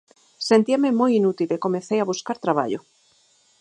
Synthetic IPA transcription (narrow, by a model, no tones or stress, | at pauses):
sent̪iamemojinut̪ilekomeθejaβuskaɾt̪ɾaβ̞a̰ʎo